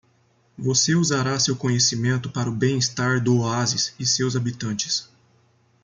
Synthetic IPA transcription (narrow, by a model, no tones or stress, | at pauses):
voseuzaɾasewkõɲesimẽnt̪ʊpaɾʊbẽj̃ist̪aɾd̪ʊoazɪsɪsewzabit̪ɐ̃nt͡ʃɪ̥s